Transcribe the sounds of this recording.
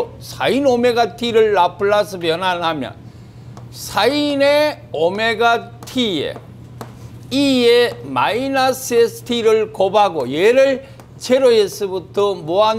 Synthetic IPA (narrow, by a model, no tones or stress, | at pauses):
sʰa̰inomeɡatʰiɾɯɭːapʰɯɭːasʰɯbjʌnanɦamjʌ̰n | sʰaine | ome̞ɡatʰiḛ | iema̰inasɯesʰɯ̥tʰiɾɯɭkobaɡojeɾɯɭ | t͡ɕʰeɾoesɯbutʰʌmoa